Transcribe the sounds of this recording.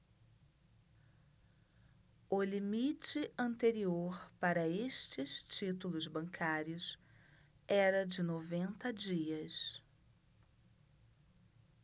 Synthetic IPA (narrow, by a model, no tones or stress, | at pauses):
ʊlimit͡ʃɪɐ̃nt̪eɾioɾpaɾɐeʃt͡ʃɪst͡ʃit̪ulʊzbɐ̃ŋkʰaɾjʊs | ɛɾɐd͡ʒɪnovẽnt̪ɐd͡ʒiɐs